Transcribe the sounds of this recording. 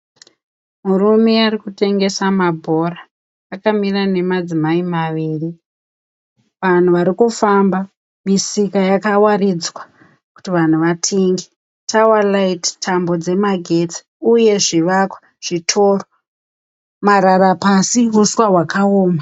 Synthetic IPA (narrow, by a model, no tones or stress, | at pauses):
murume̞arikute̞ŋɡe̞samabʱo̞raː | kamirane̞mad͡zimaimaʋiːri | ʋan̤uʋaɾikufamba | misikajakawarid͡zwa | ku̥tiʋan̤uʋatʰeŋɡe | tʰawalaittʰambo̞d͡ze̞maɡʱe̞t͡si̥ | uje̞ʐiʋakwḁ | ʐ̥itʰoːro | maɾaɾapasiɦuswawakaoːma